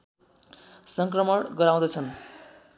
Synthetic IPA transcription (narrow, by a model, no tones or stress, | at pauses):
sʌŋkrʌmʌɽɡʌɾaw̃d̪ʌt͡sʰʌn